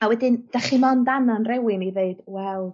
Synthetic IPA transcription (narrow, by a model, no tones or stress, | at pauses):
awɛdɪnd̥aχimɔndananrɛwɪmiveɨd̥wɛlˠ